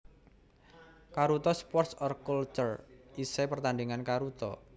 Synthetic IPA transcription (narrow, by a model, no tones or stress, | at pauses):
kaɾut̪ɔspɔrt̪sɔrkult͡ʃʊrisepərt̪andiŋankaɾut̪ɔ̰